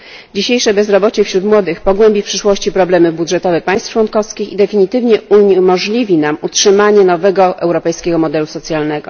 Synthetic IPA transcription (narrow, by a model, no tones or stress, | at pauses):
d͡ʑiɕejʂɛbɛzɾɔbɔt͡ɕɛfɕɾut̪mwɔd̪ɘxpɔɡwɛmbʲifpʂɘʂwɔɕt͡ɕipɾɔblɛmɘbudʐɛt̪ɔvɛpaj̃st̪t͡ʂwɔnkɔfskʲixid̪ɛfʲiɲit̪ɘvɲɛumɔʐlʲivʲinamutʂɘmaɲɛnɔvɛɡɔʔɛwɾɔpɛjskʲɛɡɔmɔd̪ɛlusɔt̪sʲjalnɛɡɔ